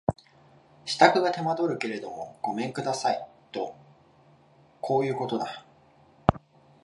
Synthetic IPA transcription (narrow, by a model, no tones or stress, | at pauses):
ɕi̥t̪akɯ̟ɡat̪e̞mad̪o̞ɾɯ̟ke̞ɾe̞d̪o̞mo̞̰ɡ̥o̞mẽ̞ŋkɯ̟d̪asait̪o̞ | kʰo̞ːjɯ̟ːko̞t̪o̞d̪a